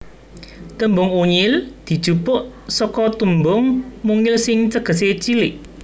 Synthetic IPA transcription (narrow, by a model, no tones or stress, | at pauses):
t̪əmbʊŋuɲɪld̪̥i̤̥ʒ̥upʊʔ | sɔkɔt̪umbʊŋmuŋɪlsɪŋt͡səɡ̥ə̤s̬et͡ʃilɪʔ